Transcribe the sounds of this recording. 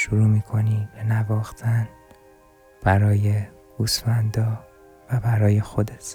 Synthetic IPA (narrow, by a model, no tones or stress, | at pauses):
ʃuɾuːmiːkʰo̞niːbenævɒːxt̪ʰæn | b̥æɾɒːje | ɡ̥uːsfænd̪ɒː | væbæɾɒːjexo̞d̪et̪